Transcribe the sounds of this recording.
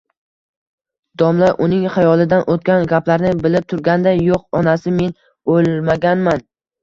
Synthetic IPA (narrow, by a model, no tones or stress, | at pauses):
d̪̥ɒmlaʔʊnɪŋχajɒlˠɪd̪anʔot̪kʲanɡʲaplaɾnɪbɪlɪp̚t̪ʰʊɾɡʲand̪ajoqɒnasɪme̞n | olmaɡʲanman